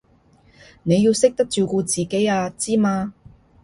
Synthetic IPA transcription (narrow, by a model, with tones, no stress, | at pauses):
ne˨˧jiː˧wsɪ˥k̚t̪ɐ˥k̚t͡ʃyː˨˧kuː˧t͡siː˨ke˨˥jaː˧t͡siː˥maː˧